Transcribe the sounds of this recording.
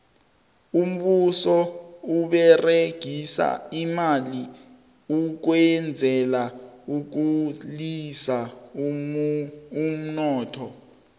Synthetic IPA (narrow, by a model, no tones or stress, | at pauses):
um̩ɓusɔuɓɛreɡ̥ʱisa̰imali | uk̬wɛnd͡zʱɛlauk̬ulisa | um̩nɔːtʰɔ